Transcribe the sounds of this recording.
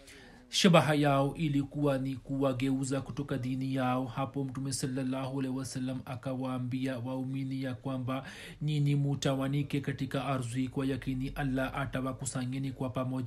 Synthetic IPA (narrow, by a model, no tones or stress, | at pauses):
ʃaɓaɦajaɔʔilikuwanikuwaɡɛuzakutɔkadinijaɔhapɔm̩tumɛsalːalːahualɛhiwasalːamakawaːmbiawauminijakwamba | ninimutawanikɛkatikaʔaɾzuikwalakiniʔalːaʔatawakusaɲɛnikwapamɔʄa